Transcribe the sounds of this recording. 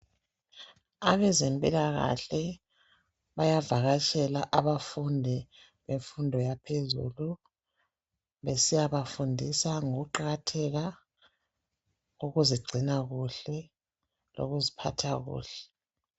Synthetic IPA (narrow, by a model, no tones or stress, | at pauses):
aβɛzempʼilaɣa̰ɬɛ | βajavaɣat͡ʃʼɛlaʔaβafundʱi | βeɱfundʱɔjapʰezṵlu | βesijaβafundʱisaŋoɣuǃaɣatʰɛɣa | ɣuɣuziɡ͡ǀʱinaɣuɬɛ | lo̰ɣuzipʰa̰tʰaɣṵːɬɛ